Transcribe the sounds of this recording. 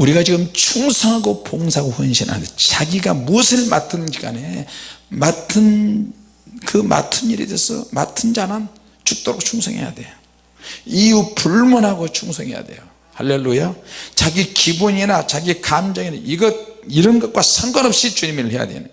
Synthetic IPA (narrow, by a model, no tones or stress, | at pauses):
uɾiɡat͡ɕiɡɯmt͡ɕʰuŋsʰʌŋɦaɡopoŋsʰaɡoɸɯnɕʰina̰ndet͡ɕaɡiɡamusʰɯɭma̰tʰɯnɡiɡa̰nematʰɯn | kɯmʔa̰tʰɯniɾḭdesʰʌ̰matʰɯnd͡ʑanan | t͡ɕuk̚t͈oɾok̚t͡ɕʰuŋsʰʌŋhḛja̰dwe̞̰jo | ijupuɭmunɦaɡot͡ɕʰuŋsʰʌŋɦe̞ja̰dwe̞̰jo | halːelːujat͡ɕaɡikiboɲinat͡ɕaɡikamd͡ʑʌŋinaʔiɡʌt̚iɾʌnɡʌt̚kwasʰʌŋɡʌnʌp̚ɕ͈it͡ɕuɲimiɾɯɭhe̞ja̰dwḛnɯ̰